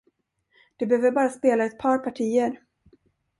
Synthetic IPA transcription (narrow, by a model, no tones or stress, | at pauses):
d̪̥ɛbɛhøːvəɾbɑːɾaspeːlaɛt̪̚pʰɑːɾpʰaʈʰiːəɾ